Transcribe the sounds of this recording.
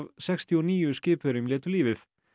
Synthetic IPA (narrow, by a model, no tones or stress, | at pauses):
vsɛkst̪ʰiɔniːjʏscɪːpʏɾɪmljɛːt̪ʏliːvɪθ